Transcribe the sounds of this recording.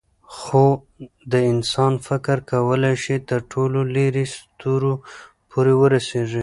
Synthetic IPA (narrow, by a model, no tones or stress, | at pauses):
xo | d̪əɪnsɑnfɪkɾkawəlajʃit̪əɾʈʰololeɾist̪uɾo | pʰoɾewəɾaseʐi